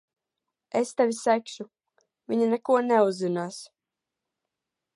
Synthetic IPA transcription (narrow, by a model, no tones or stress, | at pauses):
est̪ɛvʲisækʃu | vʲiɲinɛkuɔnɛuzːinaːs